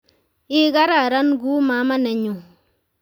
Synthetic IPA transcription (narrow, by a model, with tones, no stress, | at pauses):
ɪ˦ka˦ɾa˦˨ɾa˦nɡu˦ma˨˦ma˦nɛ˨ɲu˨